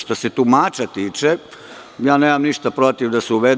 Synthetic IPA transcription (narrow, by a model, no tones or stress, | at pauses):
ʃt̪oset̪umaːt͡ʃat̪iːt͡ʃe | jaːneːmamniʃt̪apɾo̞t̪iʋd̪asɛuʋed̪